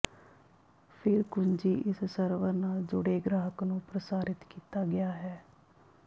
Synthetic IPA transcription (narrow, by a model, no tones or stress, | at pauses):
pʰɪɾkʊɲd͡ʒiːʔɪssəɾʋəɾnaːld͡ʒʊɽeːɡɾaːɦəknũːpɾəsaːɾɪt̪kiːt̪aːɡɪjaːɦɛː